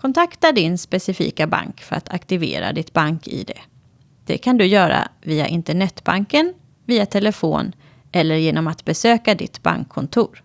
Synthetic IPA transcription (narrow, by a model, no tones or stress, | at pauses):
kʰɔnt̪ʰakt̪aɖɪnspɛsɪfḭːkaba̰ŋkfœɾat̪ʰakt̪ɪvḛːɾa̰d̪ɪt̪baŋkʰɪ̰d̪ɛ̰ | d̪̥ɛ̰kʰand̪ɵjœːɾa̰viːa̰ʔɪnt̪əɳɛt̪ːbaŋkən | viːat̪ʰɛləfo̰ːn | ʔɛlːəɾjeːnɔmat̪bɛsøːkad̪ɪt̪ba̰ŋkʰːɔnt̪ʰuːɾ